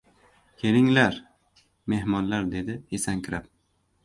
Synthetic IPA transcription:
kʲʰe̞ɾɪŋlaɾ | me̞hmɒnlaɾd̪ed̪ɪesaŋkʲʰɪɾap̚

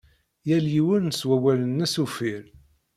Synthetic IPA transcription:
jæljiwəɾnəswæwælənːæsufiɾ

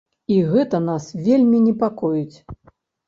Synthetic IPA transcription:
iɣɛt̪ɐnasvʲelʲmʲinʲɛpakɔjut͡sʲ

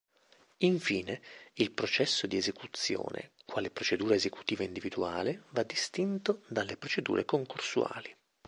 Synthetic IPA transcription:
iɱfiːneilpɾot͡ʃɛsːod̪iezekut̪sːjo̰ːnʔḛkwaːlepɾot͡ʃed̪uːɾaezeku̥t̪iːvaind̪ivid̪uaːlevad̪ːist̪int̪od̪alːepɾot͡ʃed̪ṵːɾekoŋkorsua̰ːli

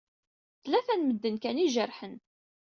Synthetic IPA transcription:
θlæθænməd̪ːənkæniʒərħən

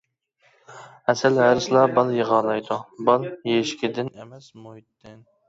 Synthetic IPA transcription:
ɛsɛlhæɾɪslˠɑbɑlˠjəʁɑːlˠɑjd̪ubɑlˠjeʃkʲʰɪd̪ɪn

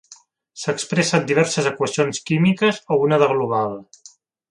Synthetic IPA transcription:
səkspɾesat̪d̪iβ̞ɛɾsəzəkwəsionskimikəzounəðəɣluβ̞al

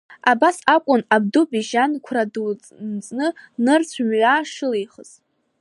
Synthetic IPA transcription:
abasakʷʼʊnab̚dubiʒankʷʰradt͡sʼ | nt͡sʼnɨnɨrt͡ɕʷʰmɥʷaʂɨlejχəz̥

